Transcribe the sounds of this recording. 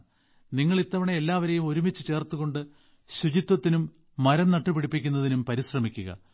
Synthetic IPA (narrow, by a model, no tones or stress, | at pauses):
niŋːɐɭit̪ːɐʋɐɳeelːaːʋɐɾe̞jumo̞ɾumit͡ɕːɨt͡ɕe̞ːrt̪uɣo̞ɳɖɨ | ɕud͡ʑit̪wɐt̪ːinumː | ɐɾɐnnɐʈːɨpiɽipːikʲːunːɐðinumpɐɾiɕrɐmikʲːuɣɐ̰